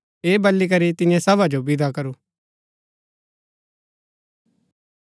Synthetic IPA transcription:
eːbɐlːik̬ɐɾit̪ɪnjẽsɐbʱad͡ʒobɪd̪akɐɾuː

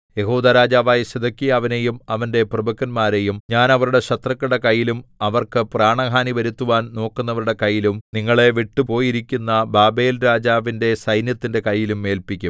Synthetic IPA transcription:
je̞ɦuːd̪ɐɾaːd͡ʑaːʋaːjɐɕɐd̪ɐkːijaːʋɐne̞jumɐʋɐnde̞prɐbʱɐkːɐnmaːɾe̞jumɲaːnɐʋɐɾuɽe̞ɕɐt̪rɐkːɐɽekɐjːilumɐʋɐrkɨpraːɳɐɦaːniʋɐɾut̪ːuʋaːnno̞ːkːunːɐʋɐɾuɽe̞kɐjːilumniŋːɐɭe̞ʋiʈːupo̞ːjiɾikʲːunːɐbaːbe̞ːlɾaːd͡ʑaːʋinde̞sɐjnjɐt̪ːinde̞kɐjːilumːe̞ːlpikʲːum

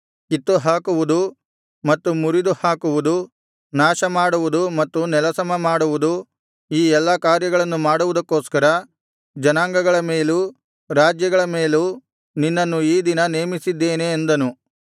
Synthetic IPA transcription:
kit̪ːuɦaːkuʋud̪u | mɐt̪ːumuɾid̪uhaːkuʋud̪u | naːʃɐmaːɽuʋud̪umɐt̪ːunɛlɐsɐmɐmaːɽuʋud̪u | iːɛlːɐkaːɾjɐɡɐɭɐnːumaːɽuʋud̪ɐkːo̞ːskɐɾɐ | d͡ʒɐnaːŋɡɐɡɐɭɐmeːlu | ɾaːd͡ʒjɐɡɐɭɐme̞ːlu | ninːɐnːuiːd̪inɐne̞ːmisid̪ːe̞ːneːnd̪ɐnu

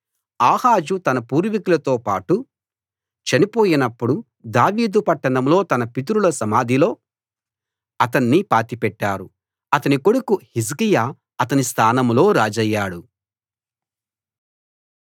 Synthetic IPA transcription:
aːhaːd͡ʒut̪ɐnɐpuːɾʋikulɐt̪oːpaːʈu | t͡ʃɐnipoːjinɐpːuɽu | d̪aːʋiːd̪upɐʈːɐɳɐmlo̞ːt̪ɐnɐpit̪̬uɾulɐsɐmaːd̪ʱilo̞ː | ɐt̪ɐnːipaːt̪ipɛʈːaːɾu | ɐt̪ɐniko̞ɽukuhiskijaː | ɐt̪ɐnist̪ʰaːnɐmlo̞ːɾaːd͡ʒɐjːaːɽu

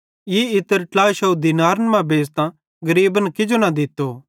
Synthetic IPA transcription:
jiɪt̪ːəɾʈlaːʃɐd̪ɪnaːɾnmãbeːst̪ã | ɡɐɾiːbənkɪd͡ʒonad̪ɪt̪ːoː

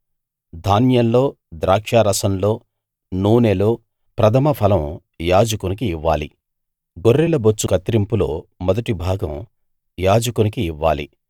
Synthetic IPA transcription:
d̪ʱaːnjɐmlo̞ː | d̪ɾaːkʂaːɾɐsɐmlo̞ː | nuːneloː | pɾɐt̪ʰɐmɐpʰɐlɐm | jaːd͡ʒɐkunikiiʋːaːlḭ | ɡoɾːɛlɐbot͡ʃːukɐt̪ɾimpulo̞̰ːmɔd̪ɐʈibʱaːɡɐ̰m | jaːd͡ʒɐkunikiːʋːa̰ːlḭ

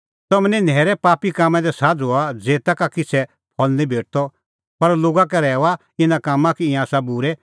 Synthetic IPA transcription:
t̪ɔmnɛ̃nɛːɾɛpaːpikaːmːɛ̃d̪ɛsaːd͡zoad͡zeːt̪akakɪt͡sʰɛ | pʰɔlnĩbʱeːʈ̚t̪ɔ | pɐɾloːɡak̬ɛɾɛːɔa | ɪnãkaːmːãkiɪ̃ãːsabuɾɛ

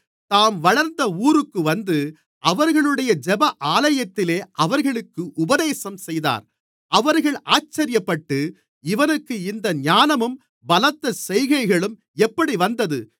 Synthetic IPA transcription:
t̪aːmʋɐɻɐɾnd̪ɐuːɾɯkːɯʋɐnd̪ɯ | ʔɐʋɐɾɣɐɭɯɽɐjɐd͡ʒɛbɐʔaːlɐjɐt̪ːɪleːʔɐʋɐɾɣɐɭɯkːɯʔʊbɐðeːsɐmsɛjða̰ːɾ | ʔɐʋɐɾɣɐɭaːt͡ʃːɐɾɪjɐpːɐʈːɯ | ɪʋɐnɯkːɯɪnd̪ɐɲaːnɐmɯm | bɐlɐt̪ːɐsɛjɣɐɪɣɐɭɯm | ɛpːɐɽiʋɐnd̪ɐðɯ

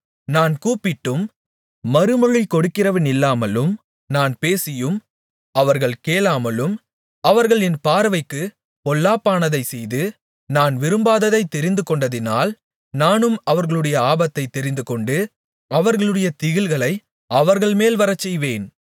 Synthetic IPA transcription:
naːnkuːpːɪʈːɯmː | ɐɾɯmɯɻɪkɔɽɯkːɪrɐʋɪnɪlːaːmɐlɯm | naːnpeːsɪjɯm | ɐʋɐɾɣɐɭkeːlaːmɐlɯm | ɐʋɐɾɣɐɭɛnpaːɾɐʋɐɪkːɯ | pɔlːaːpːaːnɐðɐɪsɛjðɯ | naːnʋɪɾɯmbaːðɐðɐɪt̪ːɛɾɪnd̪ɯkɔɳɖɐðɪna̰ːl | naːnɯmɐʋɐɾɣɐɭɯɽɐjɐaːbɐt̪ːɐɪt̪ːɛɾɪnd̪ɯkɔɳɖɯ | ɐʋɐɾɣɐɭɯɽɐjɐt̪ɪɣɪlɣɐɭɐɪ | ɐʋɐɾɣɐɭmeːlʋɐɾɐt͡ʃːɛjʋeːn

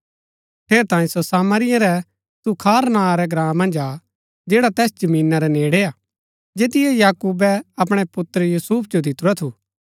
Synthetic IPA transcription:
tʰeːɾt̪ãːĩsosaːməɾɪjãɾɛ | t̪ukʰaːɾnãːɾɛɡɾãːmːɐ̃nd͡ʒa | d͡ʒeːɽat̪ɛːsd͡ʒɐmĩːnaɾɛneːɽeaː | d͡ʒeːt̪̬ɪjɛjaːkuːbɛɐp̬ɽ̃ɛpʊt̪əɾjuːsuːpʰd͡ʒod̪ɪt̪ʊɾɛt̪ʰu

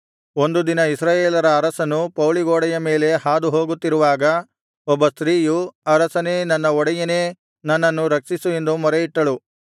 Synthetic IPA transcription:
o̞nd̪ud̪inɐisɾaːjeːlɐɾɐːɾɐsɐnupɐwliɡoːɽɐjɐme̞ːle̞haːd̪uɦoːɡut̪ːiɾuʋaːɡɐ | ɔbːɐst̪ɾiːjuɐɾɐsɐneːnɐnːɐɔɽɐjɐne̞ː | nɐnːɐnːuɾɐksisue̞nd̪umɐɾeiʈːɐɭu

